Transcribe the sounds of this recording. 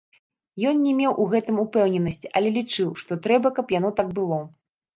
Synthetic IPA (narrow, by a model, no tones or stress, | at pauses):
jɔnnʲɛmʲewʔuɣɛt̪ɨmupɛwnʲɛnɐsʲt͡sʲʔɐlʲɛlʲit͡ʂɨwʂt̪ɔt̪ɾɛbɐkɐpjanɔt̪aɡ̚bɨlˠɔ